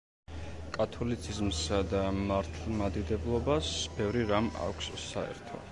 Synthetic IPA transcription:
kʼat̪ʰɔlit̪sʰizmsad̪amaɾt̪ʰmad̪id̪ɛblˠɔbasbɛvɾiɾama̰kʷʰsːaɛ̰ɾt̪ʰɔ̰

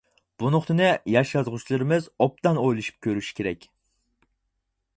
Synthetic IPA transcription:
b̥unʊχt̪ʰɨnɨjɑʃɑzʁʊt͡ʃlˠɨɾɪmɪzɔp̚t̪ɑnojlˠɨʃy̥p̚kʲøɾyʃi̥kʲʰeɾɛkʲ

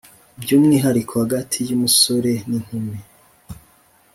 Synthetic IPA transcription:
bjuːmŋiːɦaɾikʰohaɡatʰijumuso̞ɾe̞nin̥hume

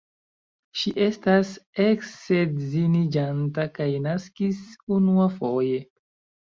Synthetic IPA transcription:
ʃiʔe̞staseksezinid͡ʒantakajnaskisunuafo̞je̞

